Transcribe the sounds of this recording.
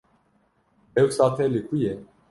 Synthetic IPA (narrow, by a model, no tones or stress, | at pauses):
ɛwsat̪ʰɛlikʰujɛ